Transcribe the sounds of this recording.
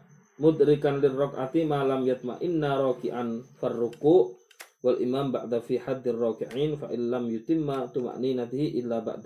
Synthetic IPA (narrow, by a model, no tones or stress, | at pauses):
mʊd̪ɾɪkanlɪrˤːɑkʔa̰t̪imaːlamjʊt̪̚ˤma̰ʔɪnːaɾˤɑːkɪʔanfarːʊkuːʔ | walʔɪmaːmba̰ʕd̪afiːħad̪ːɪrˤːɑːkɪʕiːnfaʔɪnlamjʊt̪ɪmːat̪ʊma̰ʔniːnat̪ɪhiʔɪlːaba̰ʕd̪a